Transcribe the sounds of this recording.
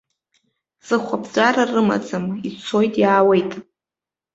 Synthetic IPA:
z̥ɨχʷabʰd͡ʒʷʼaɾarɨma̰d͡zamit͡sʰo̞jtʼjaːwejtʼ

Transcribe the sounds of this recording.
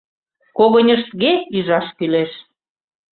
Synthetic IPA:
koɣonʲəʃt̪ɣeiʒɑʃkyleʃ

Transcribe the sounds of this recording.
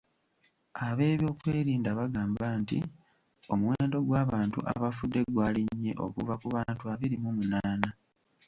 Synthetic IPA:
aβe̞ːβjo̞ːkweːɾiːndaβaɡaːmbantḭ | o̞muweːndo̞ɡwaːβaːntṵʔa̰βafudːe̞ɡwaːliɲːe̞̰ʔo̞̰kuvakuβaːntuaβiɾimumunaːna

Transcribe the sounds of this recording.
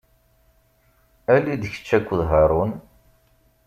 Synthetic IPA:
ælːid̪çə̥t͡ʃːækʷːðɦɑɾˤun

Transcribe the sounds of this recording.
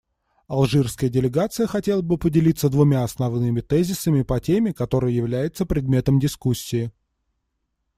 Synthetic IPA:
ɐlˠʐɨrskəjədʲɪlʲɪɡat̪sɨjəxɐtʲe̞lˠəbɨpədʲɪlʲit̪səd̪vʊmʲaɐsnɐvnɨmʲɪt̪ɛzʲɪsəmʲɪpɐtʲemʲɪkɐt̪o̞ɾɨjəjɪvlʲæjɪt̪səpɾʲɪd̪̚mʲe̞t̪əmdʲɪskusʲːɪː

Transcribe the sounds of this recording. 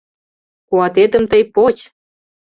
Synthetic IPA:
kuɑt̪et̪ə̆mt̪əjpot͡ɕ

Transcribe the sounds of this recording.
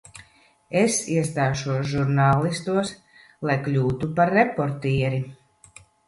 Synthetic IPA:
esiɛst̪aːʃuɔsʒuɾnaːlˠist̪uɔs | lˠajklʲuːt̪upaɾːepɔɾt̪iːɛɾi

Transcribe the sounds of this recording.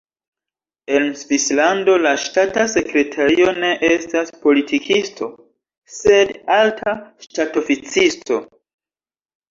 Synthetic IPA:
e̞nsvislando̞laʃtatase̞kɾe̞tʰaɾio̞ne̞ʔe̞staspo̞litʰikʰistʰo̞ | se̞daltʰaʃtato̞fit͡sisto̞̰

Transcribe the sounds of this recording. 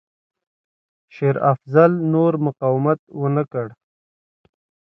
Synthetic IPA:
ʃeɾafzalnoɾmʊqɑwɪmat̪̚wənəkəɽ

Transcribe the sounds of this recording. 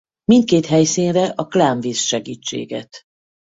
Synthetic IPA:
mint̪̚keːt̪ɦɛjsinrɛʔɒklaːɱviːsʃɛɡiːt͡ʃːḛːɡɛt̪

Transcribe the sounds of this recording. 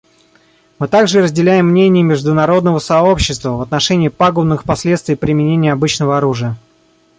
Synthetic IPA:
mɨt̪aɡʐɨɾəzʲdʲɪlʲæjɪmːnʲenʲɪjəmʲɪʐd̪ʊnɐɾo̞d̪nəvəsɐo̞pɕːɪst̪vəvət̪nɐʂɛnʲɪːpaɡʊnːɨxpɐsʲlʲe̞t̪st̪vɪjpɾʲɪmʲɪnʲenʲɪjəɐbɨt͡ɕnəvəɐɾuʐɨjə

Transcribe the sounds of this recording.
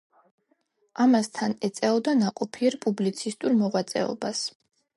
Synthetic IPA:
amast̪ʰanɛt̪sʼɛɔd̪anaqʼɔpʰiɛɾpʼublit̪sʰist̪ʼuɾmɔʁwat̪sʼɛ̰ɔ̰bas

